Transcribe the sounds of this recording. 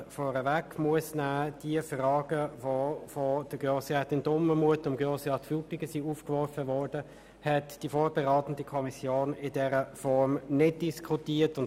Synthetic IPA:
fɔːʁəvækmuəsnaːd̥iəfrɑːɡ̥əvofod̥əɡjɔsɑtɪndʊməmuətʊmɡɔsɑtfupɪɡəsiuːfkʋɔɾfəvɔɾd̥ə | hɛtd̥ifoːɾb̥ɛʁaːtən̩dikʰɔmisjoːnɪdɛʁəfɔɾmnɪd̚d̥iskʰutiːətʊn

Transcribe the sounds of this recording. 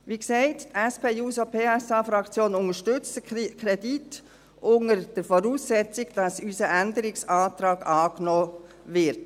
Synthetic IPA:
ʋiksɛɪttɛspʰeːjuːsopʰeːɛsɑːfɾɑkt͡sjoːnʊŋəʃtʏt͡stəkʰɾɛdit | ʔʊŋəɾd̥əɾfɔɾuːsːɛt͡sɪɡd̥ɑsysəʔændəɾɪksɑːtɾɑːɡɑːknɔː | vɪɾt

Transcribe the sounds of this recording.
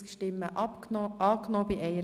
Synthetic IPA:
kʃtɪmːəʔʔɑːknɔːbiʔɛɪəɾ

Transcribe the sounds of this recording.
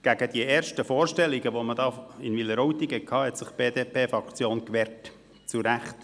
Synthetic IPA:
ɡ̥æɡ̥əd̥iəʔɛːɾʃtəfoːɾʃtɛliɡəʋomədɑːɪnʋɪləɾɔwt̪iɡɛkʰɑːhɛt̪sɪχb̥eːdeːpʰeːfɾɑkt͡sjoːnkʋɛːɾt | t͡suɾæχt

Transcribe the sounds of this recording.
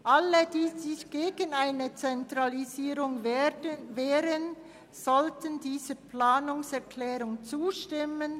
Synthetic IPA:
ʔalədiːzɪçɡ̥eːɡənaɪnət͡sɛntʁaliziːʁʊŋ | vɛːɾən | z̥ɔltəndiːzəplaːnʊŋsɛɐkʰlɛːʁʊŋt͡suːʃtɪmən

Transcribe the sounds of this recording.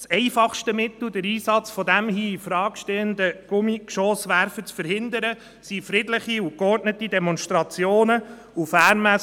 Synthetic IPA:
sɛɪfɑχʃtəmɪt̪l̩d̪əɾiːsɑt͡sfɔdæmhiːifɾɑːkʃtɛənd̪əɡ̥ʊmikʃoːsʋæɾfət͡sfəɾhɪnd̪əɾə | sifɾɪdlɪχiʊkɔrtnətidɛmɔnsʃtɾɑt͡sjoːnə | ufæːnmæ

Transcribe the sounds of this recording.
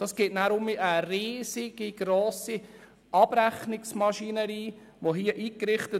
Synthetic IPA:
d̥ɑːsɡ̥eːtnæːɾʊmiʔəriːsɪɡ̥iɡ̥ɾoːsi | ʔɑb̥ɾæχnɪksmɑʃinəɾiː | ʋoɦiːəʔiːkɾɪχtə

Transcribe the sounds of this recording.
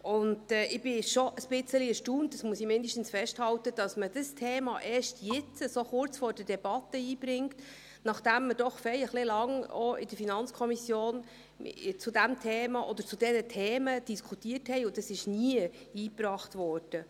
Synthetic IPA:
ʊndɛʔɪb̥ɪʃɔʔəsb̥ɪt͡səliɛɾʃtuːntːəsmuəsimɪndiʃtən̩sfɛʃthɑwtəd̥ɑsməd̥əstʰeːmɑʔeːʃtʰjɪt͡səsoχʊrt͡sfɔːɾrd̥ədɛb̥ɑt̪ːəiːb̥ɾɪŋt | nɑχd̥æmːəd̥ɔχfɛljəχlɪlɑŋɔɪ̰dəɾfinɑnt͡skʰɔmisjoːn̰ | t͡sudæmtʰeːmɑʔɔd̥̪əɾt͡sudɛnətʰeːməd̥iskʰutiəthɛɪʊd̥ɑsɪʃniə | iːprɑːχtvɔːrd̥ə

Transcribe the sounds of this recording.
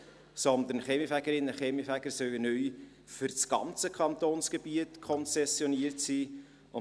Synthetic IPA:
sɔnd̪ənχɛmifæɡəɾɪnːəχɛmifæɡ̥əɾsœwənœʏ | fʏɾsɡ̥ɑ̰nt͡səkʰχɑnt̪oːnsɡ̥ebiətkʰɔnsɛsjɔniəɾtsiː | ʊ

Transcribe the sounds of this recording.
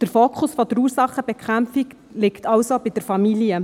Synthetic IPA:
d̥əɾfoːkʰχʊsfɔd̥̪əɾuːɾsɑχːəb̥ɛkχæmfik | lɪktʰɑwsobid̥əɾfɑmiljə

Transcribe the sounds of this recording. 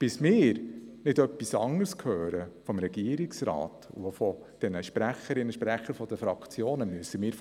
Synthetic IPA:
b̥ɪsmɪːɾnɪdœpːisɑŋəɾskʰhœːɾəfɔmɾɛɡiəɾɪksɾɑ̰ːtṵfɔ | d̪̥ɛnəʃpɾæχəɾɪnːəʃpɾæχəɾfɔd̪əfɾɑkt͡sjoːnəmyəsəmɪːɾ

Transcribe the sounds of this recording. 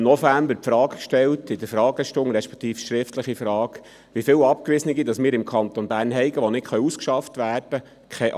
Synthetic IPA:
nɔfæmbəɾpfɾɑːkkʃtɛltɪd̪əɾfɾɑːɡəʃtʊŋɾɛʃpɛ̥kʰt̪iːfʃɾɪftləχifɾɑːɡ̥ | ʋifɪːlɑp̚kʋɪsəniɡidɑsmɪːɾɪmkʰɑnt̪onbæːrnɦɛɪɡəʋɔnɪtχœʏuskʃɑft̪ʋæːrd̥ə | kʰɛʔ

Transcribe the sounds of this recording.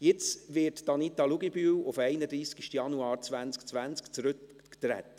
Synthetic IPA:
jɪt͡sʋɪːɾtd̥ɑnit̪ɑluɡibyːwʊfɛɪnəd̪ɾiːskiʃtjɑnuɑːɾt͡sʋænt͡skt͡sʋænt͡skt͡sɾɵkː | t̪ɾɛ̰t̪

